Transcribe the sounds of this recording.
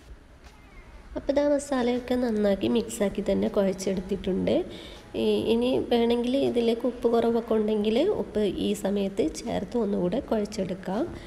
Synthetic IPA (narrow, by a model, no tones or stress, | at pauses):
ɐpːɐd̪ʱaːɳɐst̪aːlɐjokːe̞nɐnːaːkːimiksaːkːit̪ɐnːe̞koɻɐt͡ɕːe̞ɽut̪ːiʈːuɳɖɨ | iniʋeːɳe̞ŋɡiliðileːkːopːɨkurɐʋɐkːouɳɖe̞ŋɡilo̰pːɨʔiːsɐmɐjɐt̪ːɨt͡ɕḛːrt̪ːɨonːukuːɽe̞koɻɐt͡ɕːe̞ɽukːaːm